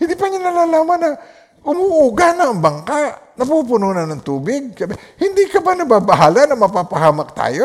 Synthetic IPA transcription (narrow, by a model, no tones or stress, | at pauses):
hɪnd̪ipaɲanɐlalaːmanːa | ʔʊmuʔuɡanaːŋbaŋkaʔnɐpup̬unonanɐŋt̪uːbɪɡ̚kabhɪnd̪ikɐbanɐbabaɦalanɐŋmɐpapaɦamak̚t̪a̰ːjo